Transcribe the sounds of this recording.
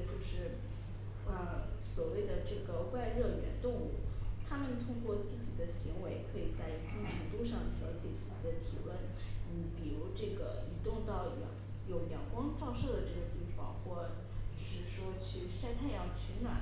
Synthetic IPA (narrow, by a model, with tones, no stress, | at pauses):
t͡ɕjo˥˧ʊʂɻ̩˥˩ | ə˧swɔ˨˩we˥˩ɪd̪ə˩ʈ͡ʂɤ˥˩ɡə˩wa˥˧ɪɻɤ˥˩nɥɛ̰˧˥nt̪ʊ˥˧ŋu˥˩t̪ʰa˥mə˨nt̪ʰʊ˥ŋkwɔ˥˧t͡ɕi˥˩t͡ɕi˧˥d̪ə˧ɕi˧˥ŋwe˧˥ɪkʰɤ˧˥i˨˩t͡sa˥˩ɪkə˥˩ɛ˧˥ŋt̪u˥ʂ̬ɑ˥˩ŋt̪ʰjɑ̰˧˥ʊt͡ɕjɛ̰˨˩t͡ɕi˥˩t͡ɕi˧˥d̪ə˧˩t̪ʰḭ˨˩wə˥˩n | ni˧˩˥pi˨˩ɻu˧˥ʈ͡ʂɤ˥˩ɡə̰˩i˧˥t̪ʊ˥˧ŋt̪ɑ˥˩ʊ̰˧˥˩ŋ | jo˨˧˩ʊjjɑ˨˩ʊkwɑ˥ŋʈ͡ʂɑ˥˧ʊʂɤ˥˩d̪ə˩ʈ͡ʂɤ˥˩ɡə˩t̪i˥˩fɑ̰˥˩ŋxwɔ˥˩ | t͡ɕjo˥˧ʂɻ̩˥˩ʂwɔ˥t͡ɕʰy˥˩ɕja˥˧ɪt̪ʰa˥˩ɪjɑ˧˥˩ŋt͡ɕʰɛ˧˥nwa̰˨˩˦